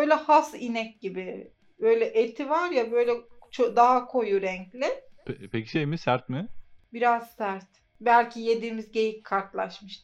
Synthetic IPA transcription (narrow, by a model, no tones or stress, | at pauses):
bøjlʲɛhasinɛc̚ɟibɪ | bø̞jlʲɛʔet̪ʰivaɾjabø̞jlʲɛt͡ʃʰod̪aɦakʰojuɾɛɲclʲɪpepʰecʰiʃejmisæɾt̪mɪbiɾaz̥sæɾt̪ | bælʲcʰije̞d̪iːmizɟe̞jickʰːaɾt̪lˠa̰ʃmɯʃt̪